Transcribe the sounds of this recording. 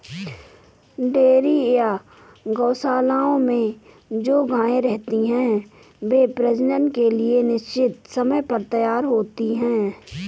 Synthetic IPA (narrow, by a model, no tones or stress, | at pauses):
ɖeːɾija | ɡɐːsaːlaːõmẽ | d͡ʒoːɡãːẽɾɛɦt̪iɦɛ̃ː | beːpɾɛsɪɖə̃ɳʈ̚kelienɪʃt͡ʃɪt̪sɐməjpɐɾt̪ɐjaːɾɦoːt̪iɦɛ̃ː